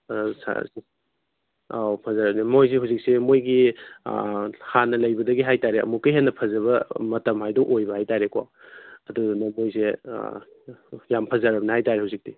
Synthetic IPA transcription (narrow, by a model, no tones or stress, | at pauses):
sa̰ | apʰɐzaɾɐbnimojs̬eɦawzik̚semojɡi | hanːɐlɐjbɐdɐɡiɦajtaɾeɐ̰mukɐjɦenːɐpʰɐzɐβɐmɐtɐmɦajdɔʔojbɐhajtaɾeka̰ | ɐdunɐmojse | jampʰɐzaɾɐbnihajtaɾehawzik̚ti